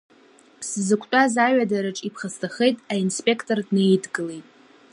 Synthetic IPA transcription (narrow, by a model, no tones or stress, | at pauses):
sɨzɨkʷʰʼtʼazaɥadaɾɨʈ͡ʂʼipʰχəstʰaχejtʼainspʼe̞kʰtʼordnejdɡɨle̞jtʼ